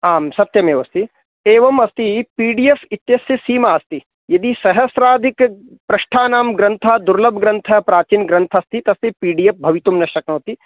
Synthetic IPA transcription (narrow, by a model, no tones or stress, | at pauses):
aːmsɐt̪jɐmeːʋɐst̪i | eːʋɐmɐst̪ipiːɖijefit̪jɐsjɐsiːmaɐst̪i | jɐd̪isɐɦɐsɾaːd̪ʱik | pɾɐʃʈʰaːnaːmɡɾɐnt̪ʰad̪uɾlɐbʱɡɾɐnt̪ʰɐpɾaːt͡ʃinɡɾɐnt̪ʰɐst̪it̪ɐst̪ipiːɖijep̚bʱɐʋit̪umnɐʃʈɐknɐːt̪i